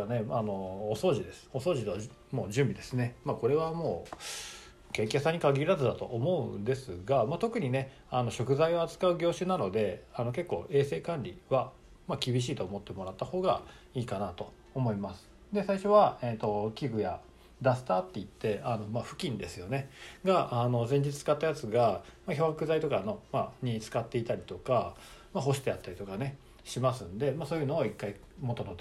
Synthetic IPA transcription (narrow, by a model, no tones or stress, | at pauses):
ane̞ano̞ːso̞ːʑid̪e̞sɨ̥o̞so̞ːʑit̪o | mo̞ːʑɨ̃mbʲid̪e̞sɨne̞maːko̞ɾe̞βamo̞ː | kẽ̞ŋkʲasãɲ̟ikaɡʲiɾazɨd̪at̪o̞̰ʔomo̞ɯ̟nd̪e̞sɨɡamat̪o̞kɯ̟ɲ̟ine̞ | ano̞ɕo̞kɯ̟zaioat͡sɨ̥kaɯ̟ɡʲo̞ːɕɨnano̞d̪e̞ano̞ke̞kːo̞̰ːʔe̞ːse̞ːkãnɾʲḭβa | makʲibʲiɕ̬iːt̪o̞ːmo̞t̪ːe̞mo̞ɾat̪ːaho̞ːɡa̰ | iːkanat̪o̞ː | mo̞imasɨ̥ | d̪e̞saiɕo̞βaet̪o̞kʲiɡɯ̟ja | d̪asɨ̥t̪at̪ːe̞it̪ːe̞ano̞maɸɯ̟̥kʲĩnd̪e̞sɨjo̞ne̞ɡaano̞zẽ̞ɲ̟d͡ʑit͡sɨ̥t͡sɨ̥kat̪ːajat͡sɨɡamaço̞hakɯ̟zait̪o̞kano̞maɲ̟it͡sɨ̥kat̪ːe̞it̪aɾʲit̪o̞ka | maɦo̞ɕi̥t̪eat̪ːaɾʲit̪o̞kane̞ | ɕimasɨ̃nd̪e̞maso̞ːjɯ̟no̞ːikːai | mo̞t̪od̪ot̪